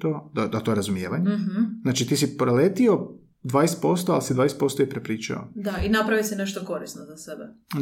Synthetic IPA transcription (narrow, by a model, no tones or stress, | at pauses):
t̪oːd̪ad̪at̪oeɾazumjeːʋaɲeɦznaːt͡ʃit̪iːsipɾoleːt̪io̞ | d̪ʋaːjest̪po̞st̪oalisid̪ʋaːjeset̪po̞st̪oipɾepɾiːt͡ʃa̰o̰d̪ainapɾaʋisineʃt̪oko̞ɾisnozasebe